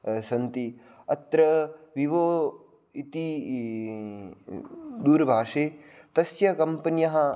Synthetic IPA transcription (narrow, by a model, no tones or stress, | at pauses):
sɐnt̪i | ɐt̪ɾɐʋiʋoː | it̪i | d̪uːɾbʱaːʂeːt̪ɐsjɐkɐmpɐnjɐɦɐ̆